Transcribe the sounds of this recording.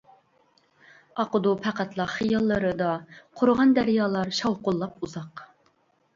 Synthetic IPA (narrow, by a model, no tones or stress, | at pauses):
ɑqʊd̪upʰæqæt̪lˠɑχijɑlˠːəɾɨd̪ɑqʰoɾʁɑnd̪æɾjɑːlˠɑɾʃɑwqʊlˠːɑpuzɑq